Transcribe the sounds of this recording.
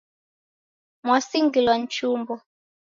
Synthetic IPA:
mwasiŋɡilwan̩t͡ʃumbɔ

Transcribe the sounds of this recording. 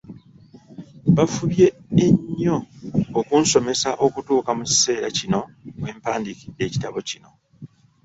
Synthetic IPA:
βafuβje̞ːɲːo̞ːkuːnso̞me̞saʔo̞kutuːkamuci̥se̞ːɾacino̞we̞ːmpaːndikidːe̞ːci̥taβo̞cino̞

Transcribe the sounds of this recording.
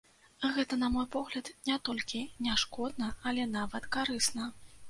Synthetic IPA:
ɣɛt̪ɐnɐmɔjpɔɣlʲɐd̪nʲɛt̪ɔlʲkʲinʲaʂkɔd̪̚nɐɐlʲɛnavɐt̪kaɾɨsnɐ

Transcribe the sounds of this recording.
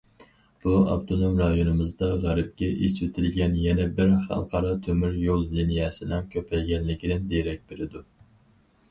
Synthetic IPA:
b̥uɑ̰pt̪ʰonomɾɑjonɨmɨzd̪ɑʁæɾɪp̚kʲɛʔet͡ʃwet̪ʰɪlɡʲɛnjɛnɛbɪɾχɑ̰lˠqʰɑɾɑt̪ʰømyɾjolˠlinijɛsɪnɪŋkʲʰøpʰɛlɡʲɛnlɪkʲʰinɪnd̪eɾɛk̚ʲbeɾɪd̪u

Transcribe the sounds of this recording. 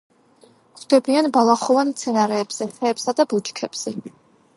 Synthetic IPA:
kʰd̪̥ɛbianbalˠaχɔvant̪sʰɛnaɾɛːbz̥ɛχʰɛːpsad̪abut͡ʃkʰɛb̥z̥ɛ

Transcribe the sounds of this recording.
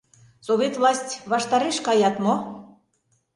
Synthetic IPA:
soβʲet̪vlˠɑsʲtʲβɑʃt̪ɑɾeʃkɑjɑt̪mo

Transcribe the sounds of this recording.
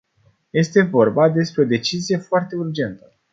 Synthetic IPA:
je̞st̪e̞vo̞rbad̪e̞spɾeod̪e̞t͡ʃizije̞foart̪e̞urd͡ʒe̞nt̪ə

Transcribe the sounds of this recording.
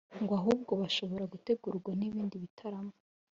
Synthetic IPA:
ŋɡoaɦuːb̚ɡo̞βaʃo̞βo̞ɾaɡute̞ɡuɾuɡwaniβiːndiβitʰaɾamo

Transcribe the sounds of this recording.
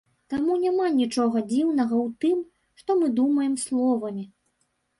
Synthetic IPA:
t̪amunʲamanʲit͡ʂɔɣɐd͡zʲiwnɐɣɐwt̪ɨm | ʂt̪ɔmɨd̪umɐjɛmslˠɔvɐmʲi

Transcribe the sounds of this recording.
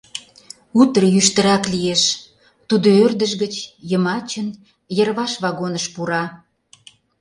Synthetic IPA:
ut̪rəjyʃt̪ə̆ɾɑklieʃ | t̪ud̪oørd̪əʃɣət͡ɕjəmɑt͡ɕən | jərβɑʃβɑɣonəʃpuɾɑ

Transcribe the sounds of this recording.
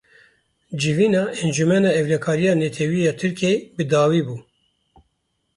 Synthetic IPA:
d͡ʒɪviːnɑːʔɛnd͡ʒumɛnɑːɛvlɛkʰɑːɾijɑːnɛt̪ʰɛwiːjɑːt̪ʰɨɾkʰeːbɨd̪ɑːwiːbuː

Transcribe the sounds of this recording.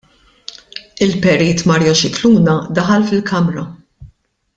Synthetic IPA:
ɪlpɛɾiːt̪mɐɾjɔʃɪkluːnɐd̪ɐħɐlfɪlkɐmɾɐ

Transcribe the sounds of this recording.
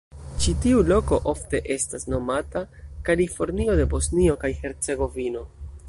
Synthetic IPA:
t͡ʃitiulo̞ko̞ʔo̞fte̞ʔe̞stasno̞matakalifo̞ɾnio̞de̞bo̞snio̞kajhe̞ɾt͡se̞ɡo̞vino̞

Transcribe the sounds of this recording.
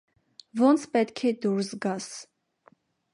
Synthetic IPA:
vɔnt͡sʰpɛt̪kʰɛd̪uɾsɡɑs

